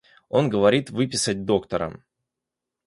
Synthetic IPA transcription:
o̞nɡəvɐɾʲit̪vɨpʲɪsət̚ʲd̪o̞kt̪əɾə̰m

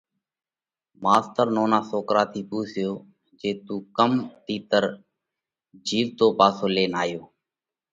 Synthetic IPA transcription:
maːst̪əɾnoːnaːsoːkɾaːt̪ʰiːpuːsɪjoː | d͡ʒeːt̪uːkəmt̪iːt̪əɾ | d͡ʒiːʋt̪oːpaːsoːleːnaːjoː

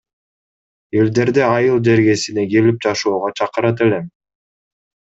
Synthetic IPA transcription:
e̞ld̪e̞ɾd̪eɑjɯlˠd͡ʒe̞ɾɡe̞sine̞ɡelip̚d͡ʒɑʃuːʁot͡ʃʰɑqɯɾɑt̪e̞le̞m

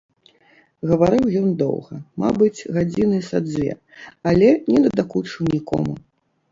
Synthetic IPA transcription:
ɣɐvaɾɨwjɔnd̪ɔ̰wɣɐma̰bɨt͡sʲɣad͡zʲinɨsad̪zʲvʲɛ̰ | alʲɛnʲɛd̪ɐd̪akut͡ʂɨwnʲikɔ̰mu

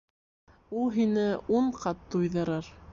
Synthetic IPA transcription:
ulˠɦinɘuɴqɑt̪ːujðɤ̆ɾɤɾ

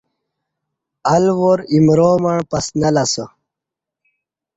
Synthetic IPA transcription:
ɐlwoɾimɾoːmɐɳpɐsnɐlasə

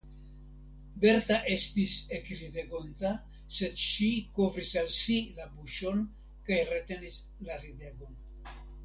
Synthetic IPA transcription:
be̞ɾt̪aʔe̞st̪isekɾid̪e̞ɡo̞nt̪a | se̞d̪ʃiko̞vɾisalsilabuʃo̞n | kajret̪e̞nis | laɾid̪e̞ɡo̞n

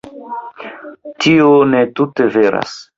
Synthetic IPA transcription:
tʰionetute̞veɾa̰s

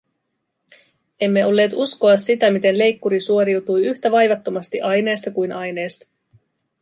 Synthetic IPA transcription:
e̞mːe̞o̞lːe̞ːt̪usko̞ɑsːit̪æmit̪e̞nle̞jkːuɾisuo̞ɾiwt̪ujyçt̪æʋɑjʋɑt̪ːo̞mɑst̪iʔɑjne̞ːst̪ɑkujnʔɑjne̞ːst̪ɑ̥

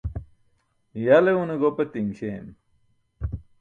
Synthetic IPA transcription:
jaleuneɡopɐt̪iŋɕem

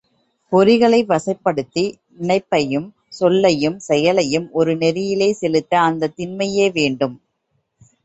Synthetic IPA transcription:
pɔɾɪɣɐɭɐɪʋɐsɐɪpːɐɽɯt̪ːinɪɳɐɪpːɐjɯm | sɔlːɐjɯmsɛjɐlɐjɯmɔɾɯnɛɾɪjɪleːsɛlɯt̪ːɐːnd̪ɐt̪ːɪnmɐjeːʋeːɳɖɯm

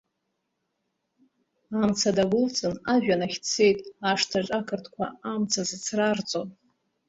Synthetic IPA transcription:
amt͡sʰadaɡʷʊlt͡sʼɨnaʒᶣanaχʲt͡sʰe̞jtʼaʂtʰaʈ͡ʂʼakʰɨrtʰkʷʰaamt͡sʰazɨt͡sʰrart͡sʼon

